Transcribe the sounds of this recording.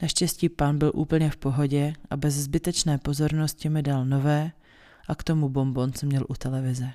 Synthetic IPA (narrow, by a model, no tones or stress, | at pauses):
naʃcɛsciːpanbɪlʔṵːpl̩ɲɛfpo̞ɦo̞ɟɛʔabɛzzbɪt̪ɛt͡ʃnɛːpo̞zo̞ɾnoscɪmɪdalno̞vɛː | ʔakt̪o̞mubo̞mbo̞nt͡smɲɛlʔut̪ɛlɛvɪzɛ